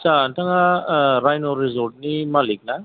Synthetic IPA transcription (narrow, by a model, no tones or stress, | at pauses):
t͡ʃantʰaŋaɾajnɔɾizɔɾt̚nimalik̚na